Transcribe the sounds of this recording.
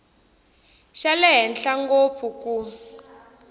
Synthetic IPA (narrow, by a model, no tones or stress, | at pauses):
ʃalɛɦɛnɬaŋɡop̪fʰuku